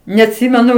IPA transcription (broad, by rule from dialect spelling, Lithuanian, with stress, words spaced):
nʲɛɐtʲˈsʲɪmʲɛnʊ